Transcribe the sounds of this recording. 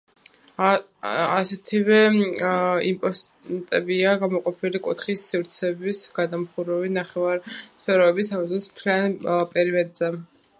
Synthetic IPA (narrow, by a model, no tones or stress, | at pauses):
asɛt̪ʰivɛ | impʼɔs | t̪ʼɛbiaɡamɔqʼɔpʰilikʼṵt̪χisːivɾt̪sʰɛbisɡad̪amχuɾɛvinaχɛvaɾspʰɛɾɔɛbisamɔɔsm̥t̪ʰlianpʼɛɾimɛd̪zɛ